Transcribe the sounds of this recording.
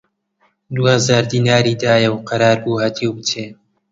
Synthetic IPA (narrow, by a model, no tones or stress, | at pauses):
d̪uːhɐzaːɾd̪iːnaːɾiːd̪aːjɐwqɑɾaːɾbuːhat̪ʰiwbɨt͡ʃeː